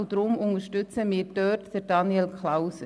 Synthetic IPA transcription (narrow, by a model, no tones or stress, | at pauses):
ʊd̥ɾʊmʊnəʃtʏt͡səmɪːɾd̥œːtd̥əɾd̥ɑnjɛlkʰlaws